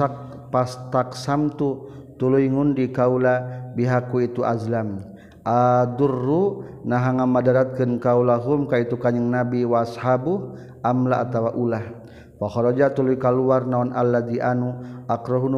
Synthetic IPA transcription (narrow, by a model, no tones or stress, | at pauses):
ak̚ | past̪aksamt̪ut̪uluiŋundikaulabiɦakuit̪uʔazlam | ʔad̪urːunaɦaŋamadaɾat̪̚kɨnkaulaɦumkait̪ukaɲəŋnabiwaːshabuh | ʔamlaʔat̪awaʔulah | waxɔɾɔd͡ʒat̪uluikaluarnaɔnʔalːad̪iʔanuakɾɔɦun